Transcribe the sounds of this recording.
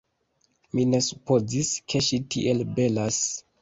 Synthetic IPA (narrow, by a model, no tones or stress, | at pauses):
mine̞supoziskʰe̞ʃitʰḭʔelbelas